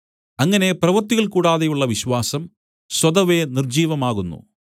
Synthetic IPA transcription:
ɐŋːɐne̞prɐʋɐrt̪ːiɣɐɭkuːɽaːðejuɭːɐʋiɕwaːsɐm | swɐd̪ɐʋenird͡ʑiːʋɐmaːɣunːṵ

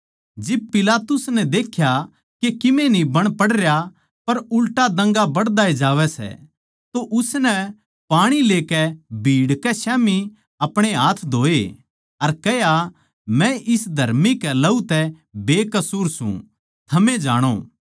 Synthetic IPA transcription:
d͡ʒɪb̚pɪlaːt̪ʊsnɛd̪eːkʰja | kekɪmẽnĩbɐɽ̃pɐɽɾja | pɐɾʊlʈad̪ɐ̃ŋɡabɐɽd̪aːed͡ʒaːʋɛsɛ̰ | t̪oʔʊsnɛ | paːɽ̃ileːkɛbʱiːɽkɛsɛːmi | ɐpɽ̃eɦaːt̪ʰd̪ʱoːe | ɐɾkɛɦja | mɛ̃ʔɪsd̪ʱɐɾmikɛlɐut̪ɛ | beːkɐsuːɾsṵ̃ | t̪ʰɐmẽd͡ʒa̰ːɽ̃o̰ː

